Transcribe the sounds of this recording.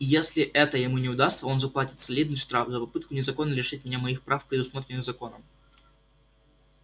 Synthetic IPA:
jesʲlʲɪʔɛt̪əjɪmunʲɪʊd̪ast̪səo̞nzɐplˠatʲɪt̪sɐlʲid̪nɨjʂt̪ɾafzəpɐpɨt̪̚kʊnʲɪzɐko̞nːəlʲɪʂɨtʲmʲɪnʲamɐixpɾafpɾʲɪd̪ʊsmo̞t̪ɾʲɪnːɨzɐko̞nəm

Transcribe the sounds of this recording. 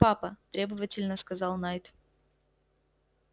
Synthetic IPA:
apɐt̪ɾʲebɨvətʲɪlʲnəskɐzɑlˠnajt̪

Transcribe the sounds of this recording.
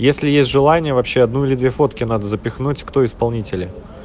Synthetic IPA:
jesʲlʲɪjesʲtʲʐɨlˠanʲɪjəvɐpɕːeɐd̪nuɪlʲɪd̪vʲefo̞t̪kʲɪnad̪əzəpʲɪxnutʲkt̪o̞ɪspɐlˠnʲitʲɪlʲɪ

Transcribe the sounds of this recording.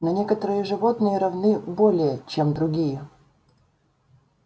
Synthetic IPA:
nɐnʲekət̪əɾɨjəʐɨvo̞t̪nɨjəɾɐvnɨbolʲɪjət͡ɕemd̪ɾʊɡʲijə

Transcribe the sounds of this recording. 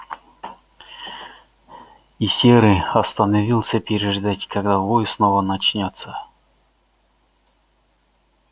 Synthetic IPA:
isʲeɾɨɐst̪ənɐvʲilˠsʲəpʲɪɾʲɪʐɨd̪atʲkɐɡd̪avojɪsnovənɐt͡ɕnʲot̪sə

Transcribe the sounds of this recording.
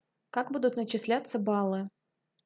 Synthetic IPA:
kakbud̪ʊt̪nət͡ɕɪsʲlʲat̪səbɑlˠɨ

